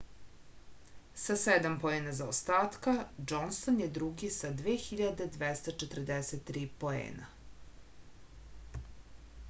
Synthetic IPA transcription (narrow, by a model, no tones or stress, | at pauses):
sased̪ampoeːnazaost̪aːt̪kad͡ʒonsonjed̪ɾuɡisad̪ʋeːxiʎad̪e̞d̪ʋest̪at͡ʃet̪r̩d̪eset̪ːɾiːpo̞ḛːna̰